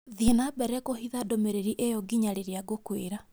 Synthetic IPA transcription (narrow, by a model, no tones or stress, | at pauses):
ðienabɛɾɛkohiðadomeɾeɾiʔejɔɡiɲaɾeɾeaɡokweɾa